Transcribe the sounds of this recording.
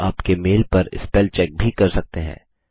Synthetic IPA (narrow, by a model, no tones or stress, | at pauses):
aːpkemeːlpɐɾɪ̰spɛːlt͡ʃɛːk̚bʱikɐɾsɐk̚t̪eɦɛ̰̃ː